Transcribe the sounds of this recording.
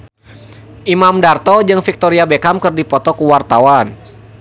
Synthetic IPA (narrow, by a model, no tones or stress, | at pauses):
ʔimamdart̪ɔd͡ʒɨŋfik̚t̪ɔɾiabekamkɨrdipɔt̪ɔkuwart̪awan